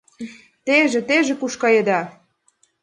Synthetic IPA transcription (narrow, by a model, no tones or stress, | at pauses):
t̪eʒĕt̪eʒĕkuʃkɑjed̪ɑ